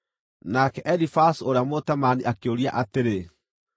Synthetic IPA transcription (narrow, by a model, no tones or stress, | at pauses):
nakɛʔɛlifasoɾeamotɛmaniʔakeoɾiaʔateɾe